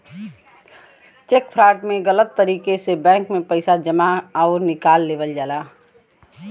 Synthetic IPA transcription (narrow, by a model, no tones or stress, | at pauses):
t͡ʃeːkpʰɾaːɾʈmẽɡələt̪ːəɾiːkesebɛ̃ːŋkmẽpəɪsad͡ʒəmaaɔɾnɪkaːlːeːʋəld͡ʒaːlaː